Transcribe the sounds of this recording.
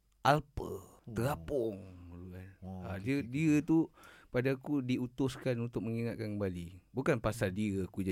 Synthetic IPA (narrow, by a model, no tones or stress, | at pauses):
ʔalpə̰t̪əɾapɔŋluanadiədiət̪upadakudiut̪ʊskanunt̪ʊk̚məŋinat̪̚kankəmbalibukanpasaldiəakud͡ʒa